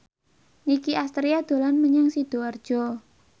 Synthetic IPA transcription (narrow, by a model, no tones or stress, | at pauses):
nikiʔast̪ɾiad̪̥o̤lanməɲaŋsid̪̥oard̥ʒ̥ɔ